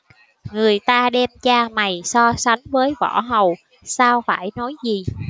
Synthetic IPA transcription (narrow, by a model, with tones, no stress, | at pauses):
ŋɨ˨˩əjt̪aː˧ɗɛ˧mt͡ɕaː˧ma˨˩jsɔ˧sa˨˦jŋvəː˨˦jvɔ˧˩ɦə˨˩w | saː˧wfaː˧˩jnɔ˨˦jzi˨˩